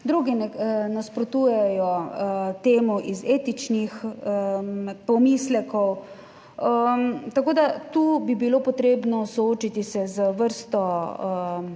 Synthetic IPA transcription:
d̪ɾuːɡinɛnaspɾɔt̪uːjɛjɔt̪eːmɔʔizeːt̪it͡ʃnix | pɔmiːslɛkɔw | əmt̪akoːd̪at̪ubibilopɔt̪ɾeːbnɔsɔoːt͡ʃit̪isɛzəʋəɾst̪ɔ

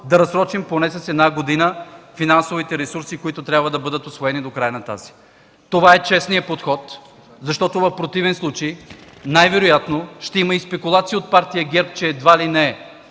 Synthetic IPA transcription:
d̪ɐɾɐsɾɔt͡ʃimponɛsɐsɛd̪naɡod̪inəfinansovit̪ɛɾɛsuɾsikoit̪ʊt̪ɾʲabvəd̪ɐbɤd̪ət̪osvoɛnid̪okɾajənɐt̪a̰zi̥ | t̪ovaɛt͡ʃɛsniəpot̪xɔt̪ | zɐʃt̪ɔt̪ovɐfpɾot̪ivɛnslˠut͡ʃəjnajvɛɾʊjat̪noʃt̪ɛiməispɛkʊlˠat̪sijəot̪̚paɾt̪ijəɡʲɛɾp̚t͡ʃɛːd̪valinɛɛ

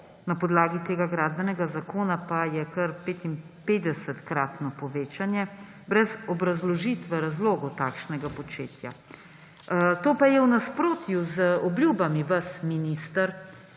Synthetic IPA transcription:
napɔd̪laːɡit̪eːɡaɡɾaːd̪̚bɛnɛɡazakoːnapajɛkɐɾpeːt̪im | peːd̪ɛsɛt̪kɾaːt̪nɔpɔʋeːt͡ʃanjɛ | bɾɛzɔbɾazlɔʒit̪ʋɛɾazloːɡɔt̪aːkʃnɛɡapɔt͡ʃḛːt̪ja̰ | t̪oːpajɛwnaspɾoːt̪juzɔbljuːbamiʋasminist̪əɾ

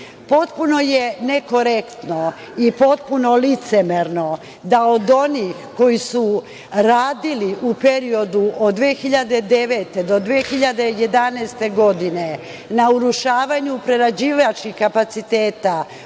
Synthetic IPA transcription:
po̞t̪puno̞jene̞ko̞ɾe̞kt̪no̞ | ipo̞t̪̚puno̞lit̪semeɾno̞ | d̪ao̞d̪o̞nixko̞jisu | ɾaːd̪iliʔupe̞ɾio̞d̪uʔod̪d̪ʋeːxiʎad̪e̞d̪e̞ʋe̞t̪e̞d̪o̞d̪ʋexiʎad̪e̞je̞d̪aneːst̪e̞ɡo̞d̪ine̞ | nauɾuʃaːʋaɲupɾe̞ɾad͡ʑiːʋat͡ʃkixkapat̪sit̪eːt̪a

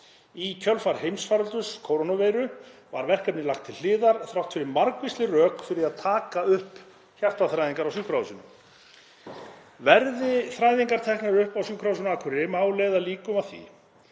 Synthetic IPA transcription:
icʰœlfaɾ̥ɦejmsfaɾʏlt̪ʏskʰoːwɾonaveːjɾʏva̰ɾvɛr̥kapnɪlaxt̪ʰɪllɪːðaɾθɾawht̪fɪɾɪɾmaɾkvɪst̪ɪrœːkfɪɾɪaðt̪ʰaːkaʏhp | çaft̪aθɾajðiŋkaɾawsukɾawsʏnʏm | vɛɾðɪθɾaːjðiŋkaɾ̥t̪ʰɛhknaɾʏhpawsukʰɾaws̬ʏnakʰvɛɾɪɾɪmaːwleːjðaliːkʏmaθḭ

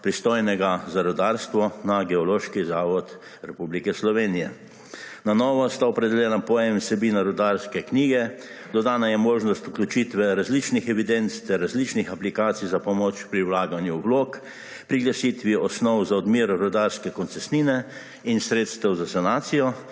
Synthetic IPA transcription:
pɾist̪oːjnɛɡazaɾɔd̪aɾst̪ʋɔnaɡɛɔloːʃkizaːʋɔt̪ | ɾɛpublikɛslɔʋeːnijɛ | nanɔːʋɔst̪aɔpɾɛd̪ɛljɛːnapɔjɛmsɛbiːnaɾɔd̪aɾskɛkniːɡɛd̪ɔd̪aːnajɛmoːʒnɔst̪uklʲjut͡ʃit̪ʋɛɾazlit͡ʃnixɛʋid̪ent̪st̪ɛɾːazlit͡ʃnixaplikaːt̪sijzapɔmoːt͡ʃpɾiwlaːɡanjuʋloːk | pɾiɡlasit̪ʋiɔsnɔwzaɔd̪miːɾɾɔd̪aɾskɛkɔnsɛsniːnɛ | insɾeːt̪st̪ɛwzasanaːt̪sijɔ

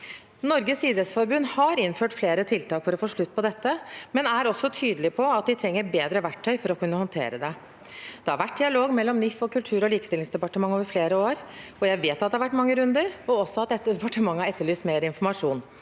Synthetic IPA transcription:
nɔɾɡəsiːd̪ɾət̪sfɔɾbʉnːhɑɾɪnføːʈfleːɾət̪ʰɪlt̪ɑːkfɔɾɔfoːʂɭʉt̪ːpʰɔd̪ɛt̪ːəmɛnæɾɔsːɔt̪ʰyːd̪əlɪpʰɔɑt̪̚d̪ɪt̪ʰɾɛŋːəɾbeːd̪ɾəʋæʈʰːœʏfɔɾɔkʰʉnːəhɔnt̪ʰḛːɾəd̪ɛ | d̪̥ɛhɑɾʋæʈ̚ːd̪ɪɑloːɡmɛlːɔmnɪfɔkʉlt̪ʰʉːɾɔliːkə̥st̪ɪlɪŋsd̪ɛpɑʈəmɑŋːoːʋəɾfleːɾəoːɾɔjæɪʋeːt̪ɑt̪d̪ɛhɑʋæʈːmɑŋːəɾʉnd̪əɾɔɔsːɔɑt̪̚d̪ɛt̪ːəd̪ɛpɑʈəmɑŋːɑɾɛt̪ːəɭyːst̪meːɾəɪnfɔɾmɑʂuːn

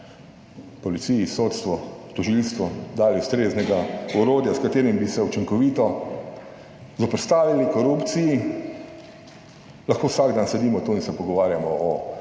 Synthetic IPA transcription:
pɔlitsijisoːt̪st̪ʋɔt̪ɔʒilst̪ʋɔd̪aːliʊst̪ɾeːznɛɡaɔɾoːd̪jaskat̪eːɾimbisɛut͡ʃiŋkɔʋiːt̪ɔ | zɔpɾst̪aːʋilikɔɾupt̪siji | lɐxkoːwsaɡd̪aːnsɛd̪iːmɔt̪oinsɛpɔɡɔʋaːɾjamɔɔ

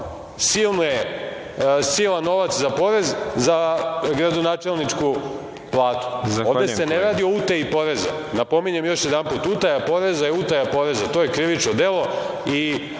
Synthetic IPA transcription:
silˠnoje | silˠanːo̞ʋat̪szapo̞ɾe̞zzaɡɾad̪o̞naːt͡ʃe̞lˠnit͡ʂku | plˠaːt̪u̥zaovd̪ese̞neɾaːd̪iout̪eipo̞ɾe̞za̰napo̞miɲemjo̞ʃjed̪anput̪ut̪ajapo̞ɾezaiut̪ajapo̞ɾe̞zat̪o̞jekɾiʋit͡ʃnod̪e̞lˠo̞ | i

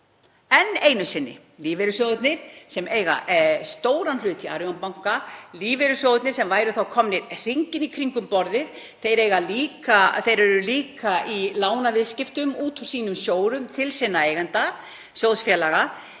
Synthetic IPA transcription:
ɛneːjnʏsɪnːɪ̰ | liːveɾʏsjowðʏt̪nɪɾ̥sɛmeːjɣa̰ʔst̪oːwɾanlʏːt̪ʰia̰ɾjɔnpawŋ̥kaliːveɾʏsjowðʏt̪nɪɾ̥sɛmvaːjɾʏθawkʰɔmnɪɾr̥iɲcɪnikʰɾiŋkʏmpɔɾðɪð | θejɾeːjɣaliːkaθejɾɛɾʏliːkailaːwnavɪðscɪft̪ʏmuːt̪ʰu̥siːnʏmsjoːwɾʏmt̪ʰɪlsɪnːaejɣant̪a | sjowðsfjɛlaɣa

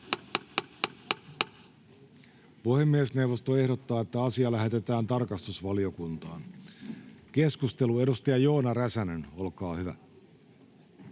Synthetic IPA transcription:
puhemːiesne̞wʋo̞st̪oe̞hdo̞t̪ːɑːe̞t̪ːæɑsiɑlæɦe̞t̪e̞t̪æːnt̪ɑrkɑst̪usʋɑlio̞kunt̪ɑ̰ːn | ke̞skust̪e̞lue̞dust̪ɑjɑjo̞ːnɑræsæneno̞lkɑːhyʋæ̰

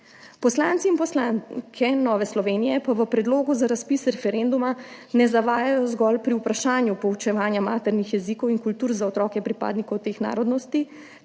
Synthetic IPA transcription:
pɔslaːnt̪siːnpɔslankʰɛnɔːʋɛslɔʋeːnijɛpaʋəpɾɛd̪loːɡuzaɾaspiːsɾɛfɛɾend̪umanɛzaʋaːjajɔzɡɔlpɾiupɾaʃaːnjupɔwt͡ʃɛʋaːnjamaːt̪ɛɾnixjɛzikɔwiŋkult̪uːɾzaɔt̪ɾɔːkɛpɾipa̰ːd̪nikɔwt̪eːxna̰ːɾɔd̪nɔst̪i

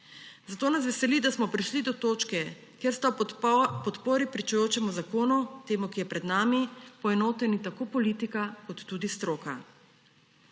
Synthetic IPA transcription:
zat̪oːnas̬ʋɛsɛlid̪asmɔpɾiʃlid̪ɔt̪oːt͡ʃkɛ | keɾst̪apɔt̪poːɾipɾit͡ʃɛjoːt͡ʃɛmuzakoːnut̪eːmukijɛpɾɛd̪naːmipɔɛnoːt̪ɛnit̪akoːpɔlit̪ikakɔt̪ːuːd̪ist̪ɾoːka̰

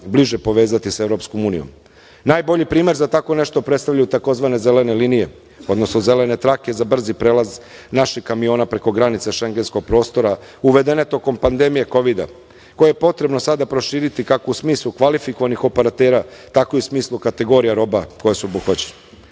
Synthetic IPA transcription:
bliʒepo̞ʋe̞ːzat̪ise̞ʋɾo̞psko̞muːnḭjom | naːjbo̞ʎipɾiːme̞ɾzat̪ako̞ne̞ʃt̪o̞pɾet̪st̪avʎajut̪ako̞zʋane̞ze̞le̞ne̞liːnije̞ | o̞d̪no̞snoze̞le̞ne̞t̪ɾake̞zabr̩zipɾeːlaz | naʃixkamijo̞ːnapɾe̞ko̞ɡɾanit̪seʃe̞ŋɡe̞nsko̞ɡ̚pɾo̞ːst̪o̞ɾauʋe̞d̪e̞net̪o̞ko̞mpand̪e̞mije̞ko̞ʋid̪a̰ | ko̞jejepo̞t̪ɾe̞bno̞sad̪apɾo̞ʃiːɾit̪ikakousmiːslˠukʋalifiko̞ʋanixo̞peɾat̪eːɾat̪ako̞iusmiːslˠukat̪e̞ɡo̞ɾijaɾo̞bako̞jesuobuxʋat͡ɕene

